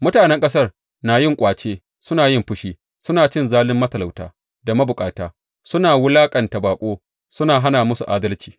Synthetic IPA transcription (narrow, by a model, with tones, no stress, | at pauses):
mʊ˦taː˨nɛ˦ŋkʼɐ˦sɐ˦r | naː˨jɪ˦ŋkʷʼaː˨t͡ʃeː˦ | sʊ˦naː˨jɪ˦˨mɸʊ˦ʃiː˦ | sʊ˦naː˨t͡ʃɪ˦nzaː˦lɪ˦mːɐ˦tɐ˨la˨wta̰ː˦ | da˨mɐ˦bʊ˨kʼaː˨taː˨˦ | sʊ˦naː˨wʊ˦laː˦kʼɐ˨nta˨baː˨kʷʼoː˦ | sʊ˦naː˨ɦa˦naː˨mʊ˦su˨ʔa̰ː˦dɐ˦lt͡ʃi̥ː˨